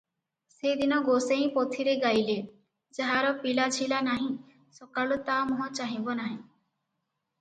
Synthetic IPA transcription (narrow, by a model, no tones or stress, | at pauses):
sed̪inɔɡoseɦĩpɔt̪ʰiɾeɡajle | d͡ʒaɦaɾɔpilat͡ʃʰilanaɦĩ | sɔkalut̪amɔɦɔ̃t͡ʃaɦĩbɔnaɦĩ